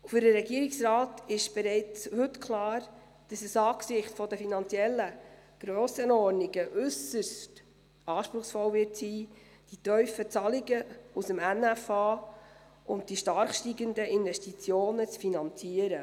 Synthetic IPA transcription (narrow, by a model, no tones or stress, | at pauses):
fʏɾdəɾɛɡiəɾɪksrɑːtɪʃb̥ɛɾɛɪt͡shɵtkʰlɑːɾ | d̥ɑsəsɑːksɪχtfɔdəfinɑnt͡siɛlːə | ɡ̥ɾøːsənɔɾnɪɡəʔʉsəst | ɑːʃpɾʊχsfɔlvɪtsiː | d̥itœɥfət͡sɑlɪɡəusəmænæfɑː | ʊnt̚d̥iʃtɑɾχʃtiɡəndəʔɪnvɛʃtit͡sjoːnət͡sfinɑnt͡siəɾə